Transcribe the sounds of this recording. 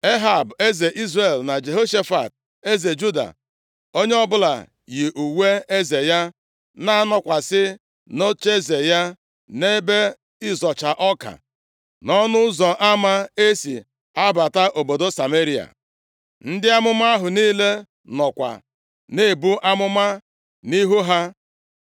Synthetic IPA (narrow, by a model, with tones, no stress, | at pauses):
e˦ɦa˨be˦ze˨ʔi˦zre˨lna˨d͡ʒe˨ɦo˦ʃe˦fa̰˨t̚ | e˦ze˨d͡ʒu˦da̰˨ | o˦ɲe˦ɔ˦bʊ˦la̰˨ | ji˨ʔu˨we˦e˦ze˨ja˦ | na˦a˦nɔ˨kʷa˨sɪ˦ | no˦t͡ʃe˦ze˨ja˦ | ne˦be˦ | ɪ˦zɔ˨t͡ʃa˨ʔɔ˦ka̰˨ | nɔ˦nʊ˦zɔ˨ʔa˦ma˦e˦sḭ˨ | a˦ba˨ta˦ʔo˨bo˨do˦sa˨me˦ɾi˦a̰˨ | n̩˦dɪ˦a˦mʊ˦ma˦ɦʊ˨niː˦le˦ | nɔ˨kʷa̰˨ | ne˦˨bu˦ʔa˦mʊ˦ma˦ | ni˦ɦu˦ɦa˦